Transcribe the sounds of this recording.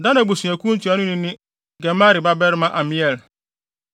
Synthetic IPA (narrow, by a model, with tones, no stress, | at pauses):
dã˦nã˨bu˨sũ˨æ˨kʰʷũ˦n̩˦tʰi˨˦a˦nʊ̃˦nɪ̃˦nɪ̃˦ | ɡɛ˨ma˦ɾi˨ba˦bɛ˦ɾmã˦˨ʔa˨mĩ˦ɛ˨l